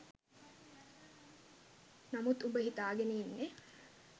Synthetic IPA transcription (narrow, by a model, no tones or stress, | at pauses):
nɐmut̪ubəɦit̪aːɡeniːnːe